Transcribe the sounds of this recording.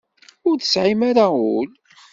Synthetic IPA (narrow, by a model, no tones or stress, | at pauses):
ʊɾθəsʕimaɾaul